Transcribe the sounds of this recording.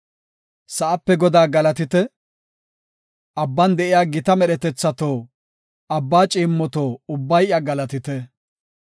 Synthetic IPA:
sɐʔɐpːɛɡɔd̪aːɡɐlɐt̪ɪt̪ɛ | ʔɐbːɐnd̪ɛʔɪjaːɡɪt̪ɐmɛɗɛt̪ɛt͡sːɐt̪oː | ɐbːaːt͡ʃʼiːmːɔt̪oːʊbːɐjʔjɐɡɐlɐt̪ɪt̪ɛ

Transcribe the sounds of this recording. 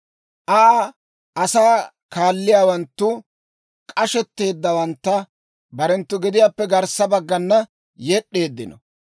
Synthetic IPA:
ʔɐ | ʔɐsaː | kaːlːɪjaːwɐnt̪ːʊ | kʼɐʃɛt̪ːe̞ːd̪ːɐwɐnt̪ːɐ | bɐɾɛnt̪ːʊɡɪd̪ɪjaːpːɛɡɐɾsɐbɐɡːɐnːɐ | jɛɗːe̞ːd̪ːɪnɔ

